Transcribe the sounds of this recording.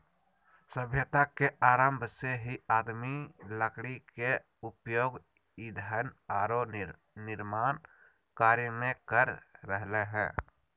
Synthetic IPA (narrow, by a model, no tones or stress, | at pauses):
səbʱjət̪akeʔaːɾəmbʱseɦiaːd̪miləkɽike | ʊpjoːɡ | ɪd̪ʱanaːɾo | nɪɾmaːn | kaːɾjəmẽkəɾːəɦleɦɛ̰̃ː